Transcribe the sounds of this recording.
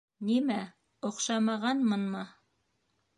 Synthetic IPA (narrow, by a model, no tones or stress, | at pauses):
nimæ | ŏqʃɑmɑʁɑnmɤnmɤ